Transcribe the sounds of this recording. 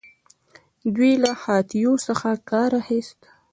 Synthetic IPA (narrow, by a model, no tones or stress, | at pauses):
d̪wilahɑt̪ijosəxakɑɾahest̪